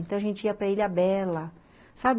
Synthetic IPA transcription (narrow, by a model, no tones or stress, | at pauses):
ẽñt̪ɐ̃w̃ɐʒẽnt͡ʃɪiɐpɾɐiʎʲɐbɛlɐ | sab